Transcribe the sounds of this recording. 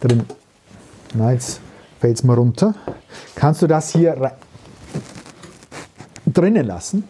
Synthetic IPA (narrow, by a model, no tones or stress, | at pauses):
d̥ʁɪn | najɛt͡s | fɛltsmaʁʊntʰɐkʰanstd̥uːdashiːɐʁa | d̥ʁɪnənla̰sn̩